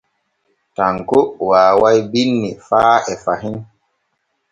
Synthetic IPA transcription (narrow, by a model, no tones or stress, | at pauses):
taŋkowaːwajbinːifaːɛfaɦin